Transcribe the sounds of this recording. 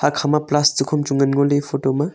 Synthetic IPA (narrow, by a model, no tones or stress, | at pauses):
hakʰamaplastukʰɔmt͡ʃuŋɡɐnɡolepʰotoma